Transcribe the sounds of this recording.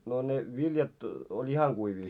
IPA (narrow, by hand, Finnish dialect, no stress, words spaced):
no ne ʋiljɑt olʲ ihɑŋ ɡ̊uiʋiː